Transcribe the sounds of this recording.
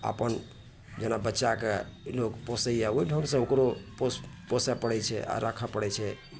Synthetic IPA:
a̰pən | d͡ʒenabətːʃakelokposəjaoiɖʱonsə̃okɾoposposɛpəɽɛt͡ʃʰɛ̰ʔa̰ɾakʰəpəɽɛt͡ʃʰɛ

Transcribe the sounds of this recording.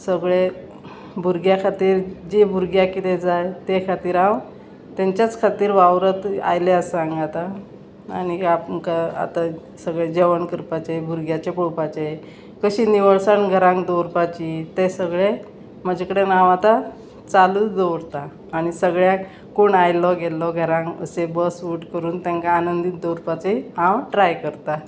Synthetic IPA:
səɡɭe | bʱuɾɡjakʰat̪iːɾd͡ʑebʱuɾɡjakit̪ed͡zajt̪ekʰat̪iːɾãw | t̪jaɲt͡ɕjat͡skʰat̪iːɾʋaʋɾət̪a̰jleəsãŋɡat̪a | a̰ñiapəŋkaa̰t̪a | səɡɭed͡ʑeʋəɳkəɾpat͡ɕebʱuɾɡjat͡ɕepoɽpat͡ɕe | kəɕiːniʋəɭsanɡʱəɾãŋkd̪oɾpat͡ɕit̪esəɡɭe | məd͡ʑʱakəɽenaʋat̪a | t͡saluːt͡sd̪əɽt̪aː | ɽ̃isəɡɭja | koɳajlɔɡelɔɡʱəɾãŋkə̰sebəsuʈkəɾuːnt̪jãŋkaːnənd̪iːt̪d̪owɾpat͡seiãʋʈɾajkəɾt̪a

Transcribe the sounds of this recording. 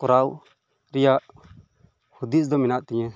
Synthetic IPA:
kɔɾaw | ɾijaʔ | hud̪is̬d̪ɔminaʔt̪ɛɲɛ̃

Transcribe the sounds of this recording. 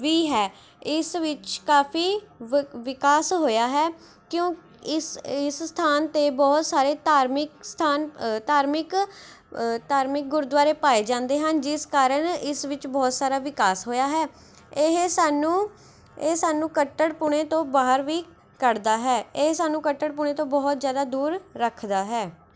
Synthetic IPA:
ʋiːɦɛː | ɪsʋɪt͡ʃkaːpʰiː | ʋɪkaːsɦoːjaːɦɛː | kjõːk | ɪsɪsst̪ʰaːnt̪eːbɔːt̪saːɾeːt̪aːɾmɪkst̪ʰaːnt̪aːɾmɪk | t̪aːɾmɪk̚ɡʊɾʊd̪ʋaːɾeːpaːeːd͡ʒãːnd̪eːɦənd͡ʒɪskaːɾənɪsʋɪt͡ʃbɔːt̪saːɾaːʋɪkaːsɦoːjaːɦɛː | eɦsaːnũː | esaːnũːkəʈːəɽpʊɳ̃eːt̪õːbaːɦəɾʋiː | kəɾd̪aːɦɛːeɦsaːnːũːkəʈːəɽp̬uɳ̃ẽːt̪õːbɔːt̪zjaːd̪aːd̪uːɾːəkʰd̪aːɦɛː

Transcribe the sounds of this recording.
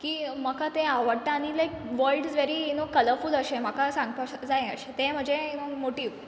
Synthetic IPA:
kiːməkat̪ẽaʋəɽt̪aaɽ̃ilajkʋəɾɖsʋeɾiːnokələɾfuləɕeməkasãŋɡ̚pad͡zaẽə̰ɕet̪ẽm̤əɳd͡zenomoʈiːʋ

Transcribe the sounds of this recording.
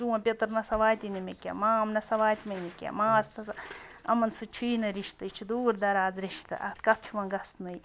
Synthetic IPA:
d͡ʒuwɐ̃pʲet̪ɾnɐsɐʋaːjt̪inimekʲa̰maːmnɐsɐʋaːjt̪imenikʲa̰maːst̪ɐɐ̰mɐnsɨt͡ʃʰuinɨɾiʃt̪ɨt͡ʃʰud̪uːɾd̪ɐɾaːzɾiʃt̪ɨ̰ʔɐ̰t̪kɐt̪̚ʰt͡ʃʰuʋɐ̃nɡɐst̪nuj

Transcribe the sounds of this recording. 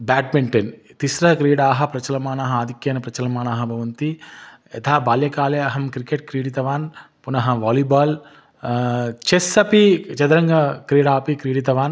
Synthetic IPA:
baːʈ̚meɳʈent̪isɾɐɦɐkɾiːɽaːɦɐ̆pɾɐt͡ʃɐlɐmaːnaːɦɐaːd̪ʱikjeːnɐpɾɐt͡ʃɐlɐmaːnaːɦɐbʱɐʋɐnt̪i | ɛt̪ʰaːbaːljɐkaːleɐɦɐmkɾikeʈ̚kɾiːɽit̪ɐʋaːn | punɐɦɐʋaːlibaːl | t͡ʃesɐpit͡ʃɐd̪ɐɾɐŋɡɐkɾiːɽaːpikɾiːɽit̪̬ɐʋaːn

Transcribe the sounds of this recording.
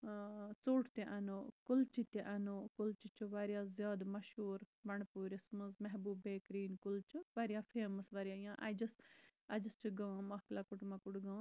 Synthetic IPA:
t͡soːʈʰt̪eʔɐnoːkʊlt͡ʃit̪eʔɐnoːkʊlt͡ʃit͡ʃuʋaɾjaːzjaːd̪mɐʃuːɾbɐɳpuːɾɪsməzmɛɦbuːbeːkɾiːnkʊlt͡ʃuʋɐɾijaːfeːməsʋɐɾijaːjãːʔa̰jd͡ʒɐsɐd͡ʒɐst͡ʃuɡɐʋãːmɐɦklaːkʊʈmãːkʊʈɡɐ̃

